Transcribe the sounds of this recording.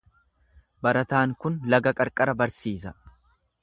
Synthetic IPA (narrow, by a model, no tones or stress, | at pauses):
bɐɾɐt̪aːŋkʊnlɐɡɐkʼɐɾkʼɐɾɐbɐɾsiːsɐ